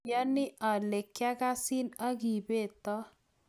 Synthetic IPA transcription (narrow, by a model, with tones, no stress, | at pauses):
ja˦nɪ˦ʔa˨le˨kːja˦ɡa˦sɪ˦na˦ɡi˨be˦˨t̪ɔ˦